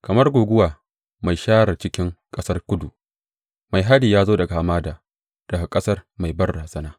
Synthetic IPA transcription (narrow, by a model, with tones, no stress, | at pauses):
kɐ˨mɐ˦rɡʷoː˨ɡʷʊ˦waː˨ | ma˨jʃaː˦ɾɐ˨t͡ʃɪ˦kʲɪ˦ŋkʼɐ˦sɐ˦rkʷʊ˦du˨ | ma˨jɦa˦diː˨jaː˦zoː˦dɐ˨ɡa˨a˨maː˦daː˨ | d̥ɐ˨ɡa˨kʼɐ˦sɐ˦rma˨jbɐ˦rːa˨sɐ˦naː˦